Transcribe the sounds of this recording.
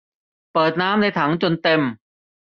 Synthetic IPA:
pɤː˨˩t̪̚naː˦˥mna˧˩jt̪ʰa˩˦ŋt͡ɕo˧nt̪e˧m

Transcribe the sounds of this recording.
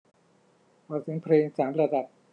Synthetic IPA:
bɔː˨˩sʰɯ˩˦ŋpʰɾeː˧ŋsaː˩˦mɾa˧da˨˩p̚

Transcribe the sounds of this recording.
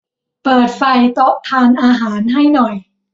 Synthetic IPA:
pɤː˨˩t̪̚fa˧jt̪o˦˥ʔ̚t̪ʰaː˧nʔaː˧ɦaː˩˦nɦa˥˩jnɔ˨˩j

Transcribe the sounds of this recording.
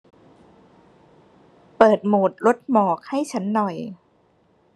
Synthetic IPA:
pɤː˨˩t̪̚muː˨˩t̪̚ɾo˦˥t̪̚mɔː˨˩k̚ha˥˩jt͡ɕʰa˦˥nːɔ˨˩j

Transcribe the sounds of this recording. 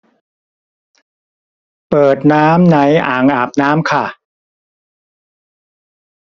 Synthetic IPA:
pɤː˨˩t̪̚naː˦˥mna˨˦jʔa̰ː˨˩ŋʔaː˨˩p̚naː˦˥mkʰa˥˩

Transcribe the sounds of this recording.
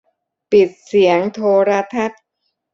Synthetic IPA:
pi˨˩t̪̚si˩˦əŋt̪ʰoː˧ɾa˦˥t̪ʰa˦˥t̪̚

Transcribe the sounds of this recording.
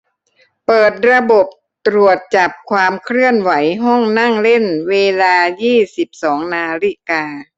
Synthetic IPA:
pɤː˨˩t̪̚ɾa˧bo˨˩p̚ | t̪ɾu˨˩ət̪̚t͡ɕa˨˩p̚kʰwaː˧mkʰɾɯ˥˩ənwa˩˦jɦɔ˥˩ŋna˥˩ŋle˥˩nweː˧laː˧jiː˥˩si˨˩p̚sɔː˩˦ŋnaː˧ɾi˧˥˩kaː˧

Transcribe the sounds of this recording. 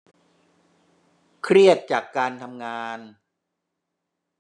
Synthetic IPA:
kʰɾi˥˩ət̪̚t͡ɕaː˨˩kːaː˧nt̪ʰa˧mŋaː˧n

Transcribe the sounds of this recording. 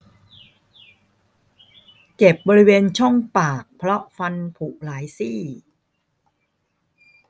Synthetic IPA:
t͡ɕe˨˩p̚bɔː˧ɾi˦˥weː˧nt͡ɕʰɔ˥˩ŋpaː˨˩k̚pʰɾɔ˦˥fa˧npʰu˨˩ʔlaː˩˦jsiː˥˩

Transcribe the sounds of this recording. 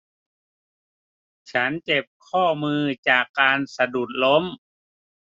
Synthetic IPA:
t͡ɕʰa˦˥nt͡ɕe˨˩p̚kʰɔː˥˩mɯː˧t͡ɕaː˨˩kːaː˧nsa˧du˨˩t̪̚lo˦˥m

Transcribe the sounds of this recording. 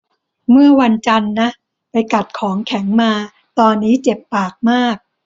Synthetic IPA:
mɯ˥˩ɐwa˧nt͡ɕa˧nːa˦˥ | pa˧jka˨˩t̪̚kʰɔː˩˦ŋkʰɛ˩˦ŋmaː˧ | t̪ɔː˧nːiː˦˥t͡ɕe˨˩pːaː˨˩k̚maː˥˩k̚

